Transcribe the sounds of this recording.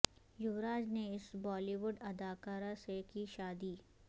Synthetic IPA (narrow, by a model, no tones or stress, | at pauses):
jʊʋɾaːd͡ʒneɪsbɔːliːʋʊɖɐd̪aːkaːɾasekiʃaːd̪iː